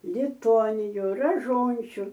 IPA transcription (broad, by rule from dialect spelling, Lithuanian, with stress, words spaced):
lʲɪˈtoːnʲɪjuː rɐˈʒoːnʲt͡ʃʲʊ